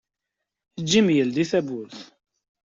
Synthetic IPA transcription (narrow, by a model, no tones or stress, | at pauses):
əd͡ʒːimjəld̪iθæbʊɾθ